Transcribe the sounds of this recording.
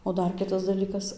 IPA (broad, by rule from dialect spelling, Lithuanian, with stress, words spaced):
oː ˈdɐr ˈkʲɪtɐs dɐˈlʲiːkɐs